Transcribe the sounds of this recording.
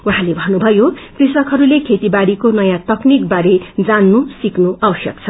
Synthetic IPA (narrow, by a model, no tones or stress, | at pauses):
uɦãlebʱʌnːubʱʌjokrisʌkɦʌɾulekʰet̪ibaɽikonʌjãt̪ʌknik̚baɾed͡zanːusiknuʔawʌsjʌ̰k̚t͡sʰʌ